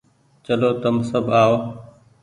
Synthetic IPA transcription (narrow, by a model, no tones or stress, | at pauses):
t͡ʃəloːt̪əmsəbʱaːoː